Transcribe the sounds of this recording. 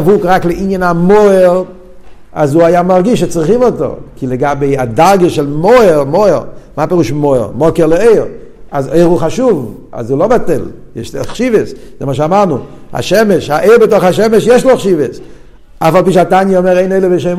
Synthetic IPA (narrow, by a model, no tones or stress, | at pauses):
vuːkʁaklˠɪʔɪnjənamoɪʁ | azuːajaːmaʁɡiʃet͡sχɪmɔtɔ̰ʁkʰɪlˠɪɡabeɪadalɡəʃɛlˠmɔɪʁmoɪʁmaːpɪʁuːʃmoɪ̰ʁmɔkɛʁlˠɪeɪʁ | azeɪʁuːχaʃuv | a̰zuːlˠobatɛlˠjɛʃtχʃivəszɛməʃ̬amaʁnua̰ʃɛmɛʃaʔeɪɾbɪtɔχaʃɛməʃjɛʃtlˠoχʃivəs | afalˠpiːʃatanjəɔmɛɾeɪneɪləbeʃeɪm